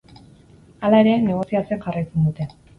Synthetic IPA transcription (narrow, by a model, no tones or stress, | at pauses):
alae̞ɾe̞ne̞ɣ̞o̞siat͡seanʝarajt͡se̞nd̪ut̪e̞